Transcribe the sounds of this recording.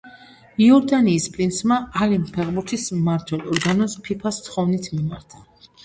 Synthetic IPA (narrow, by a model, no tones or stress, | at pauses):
iɔɾd̪aniːspʼɾinsmaalimpʰɛʁbuɾt̪ʰismaɾt̪ʰwɛlˠɔɾɡanɔspʰipʰast̪χɔvnit̪ʰmimaɾt̪ʰḁ